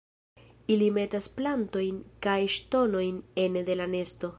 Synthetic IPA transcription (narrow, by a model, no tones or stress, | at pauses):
ilime̞tasplanto̞jnkajʃto̞no̞jne̞nde̞lane̞sto̞